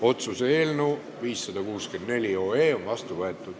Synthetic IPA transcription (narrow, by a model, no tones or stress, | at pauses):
o̞t̪suseeːlnuː | viːsːɑd̪̥ɑkuːske̞nd̪ne̞lʲio̞ːeːo̞nvɑst̪uvɤet̪ːˑud̪̥